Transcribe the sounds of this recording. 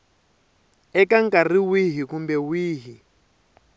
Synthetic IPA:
ɛkaŋkariwiɦikumbɛwiːɦi

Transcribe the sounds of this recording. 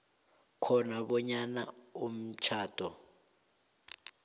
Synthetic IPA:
kʰɔnaβɔɲanaum̩t͡ʃʰaːtʼɔ

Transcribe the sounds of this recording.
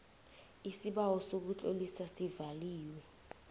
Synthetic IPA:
isiɓawɔsok̬ut͡ɬʼo̰lisasivaliːwɛ

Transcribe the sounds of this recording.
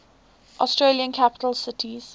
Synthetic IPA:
ʔɔstɹeliə̃nkʰapɪ̥təlsɪtʰiz̥

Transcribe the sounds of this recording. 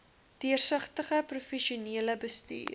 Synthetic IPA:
tiərsəχtəχəprufɛʃiuniələbəsty̰ː

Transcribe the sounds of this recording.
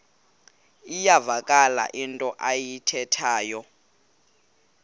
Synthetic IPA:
ijavakʼala̰ʔintʼɔʔajitʰɛtʰaːjɔ

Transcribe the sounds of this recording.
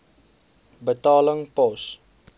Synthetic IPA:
bətɑːləŋpɔs

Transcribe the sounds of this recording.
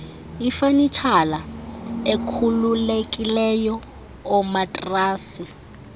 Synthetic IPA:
ifanit͡ʃʰalaekʰululekʼilɛjɔ | ɔmatʼraːsi

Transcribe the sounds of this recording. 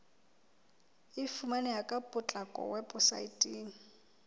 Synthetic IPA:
ɪfumanɛjakʼapʼʊt͡ɬʼakʼɔ̰wɛpʼʊsa̰itʼiːŋ̩

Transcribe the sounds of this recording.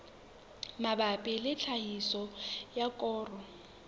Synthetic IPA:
mabapʼɪlɪt͡ɬʰaisɔjakʼɔːrɔ

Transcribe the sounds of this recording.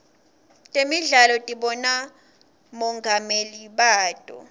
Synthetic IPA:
tʼemiɮalɔtʼiɓɔna | mɔŋɡʱameliɓaːtʼɔ̰

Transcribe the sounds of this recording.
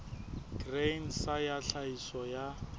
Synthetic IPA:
ɡ̥rensajaɬaisɔja

